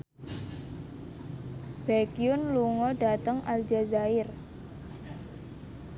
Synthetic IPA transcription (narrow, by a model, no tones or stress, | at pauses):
b̥akiʊnluŋɔɖat̪əŋʔald͡ʒazaɪr